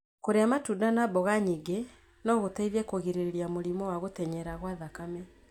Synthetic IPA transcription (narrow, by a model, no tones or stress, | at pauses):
koɾeamatudanabɔɣaɲiɡe | nɔɣotaiðɛkoɣiɾeɾeɾiamoɾimɔwaɣotɛɲɛɾaɣwaðakamɛ